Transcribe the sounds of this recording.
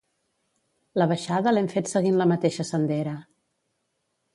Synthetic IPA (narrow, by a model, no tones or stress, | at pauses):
ləβəʃaðəlɛmfet̪səɣinləmət̪eʃəsənd̪ɛɾə